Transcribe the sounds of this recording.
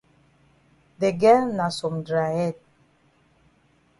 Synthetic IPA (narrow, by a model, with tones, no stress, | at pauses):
dɛ˨ɡɛ˦na˨sɔ˨mdɾa˨ɛ˦˨t̚